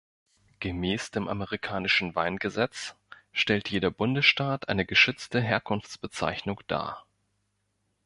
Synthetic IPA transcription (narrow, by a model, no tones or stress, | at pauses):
ɡ̥əmɛːsd̥eːmʔa̰məʁikʰaːnɪʃn̩vaɪnɡəzɛt͡s | ʃtɛltjeːdɐbʊndəsʃtaːtʔaɪnəɡəʃʏt͡stəɦeːɐkʰʊnft͡sb̥ət͡sa̰ɪçnʊŋd̥a̰ː